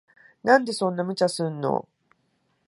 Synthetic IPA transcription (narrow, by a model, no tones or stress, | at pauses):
nãnd̪e̞sõ̞nːamɯ̟t͡ɕasɨ̃nːo̰